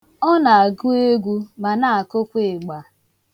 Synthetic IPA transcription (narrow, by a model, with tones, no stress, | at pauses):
ɔ˦na˨a˨ɡu˦e˦ɡʷu˦ma˨na˨a˨ko˦kʷe˦˨ɡ͡ba˨